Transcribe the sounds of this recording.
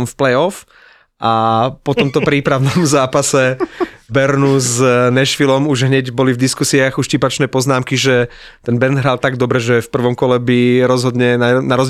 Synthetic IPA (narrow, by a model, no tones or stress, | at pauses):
mfplɛjɔf | ʔapɔt̪ɔmt̪ɔpɾiːpɾaʊnɔmzaːpasɛbɛɾnuznɛʃfilɔmuʒɦɲɛɟbɔlivd̪iskusiaɣuʃcipat͡ʃnɛːpɔznaːmkiʒɛ | t̪ɛnbɛnd̪ɦɾaːlˠt̪aɡd̪ɔbɾɛʒɛfpr̩ʋɔmkɔlɛbiɾɔzɦɔd̪ɲɛnanaɾɔz